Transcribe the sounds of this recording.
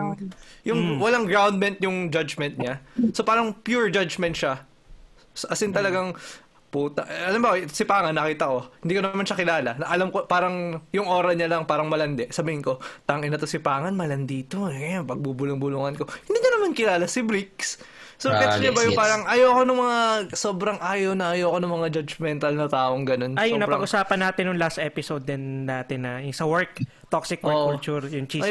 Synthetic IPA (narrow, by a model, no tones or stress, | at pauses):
jʊŋwɐlaŋɡɹawnd̪̚mɛnt̪̚jʊŋd͡ʒad͡ʒmɛnt̪̚ɲasopaːɾɐŋpjuɹd͡ʒad͡ʒmɛnt̪̚ʃa | sʔɐsɪnt̪ɐlɐɡaŋ | puːt̪ɐʔɐlɐmbɐʔɪt̪sɪpaːŋɐnːɐkiːt̪ɐko̞hɪnd̪iːkonɐmanʃɐkɪlaːlɐnɐʔɐlamko̞paːɾɐŋjʊŋʔo̞ːɾɐɲalɐŋpaːɾɐŋmɐlɐnd̪ɛʔsɐbiːhɪnko̞t̪aːʔŋɪnɐt̪ʊsɪpaːŋɐnmɐlɐnd̪iːt̪okɐjanpɐɡ̚bubʊlʊŋbʊluŋɐnko̞hɪ̃nd̪iːnɐnɐmankɪlaːlɐsɪbɾiks | sokɛsɲʊbɐjʊŋpaːɾɐŋʔɐjoɐkonɐŋmɐŋasoːbɾɐŋʔaːjɐwnɐʔɐjoːɐkonɐŋmɐŋad͡ʒɐd͡ʒmɛnt̪ɐlnɐt̪aːʔoŋɡɐno̞nɐjʊŋnɐpɐɡʔʊsaːpɐnːaːt̪ɪnjʊŋlast̪ʔɛːpɪsowd̪̚ːɛnːaːt̪ɪnːɐjsɐwɛɹk̚ | t̪oksɪk̚wɛʔʊt͡ʃuɾjʊŋt͡ʃi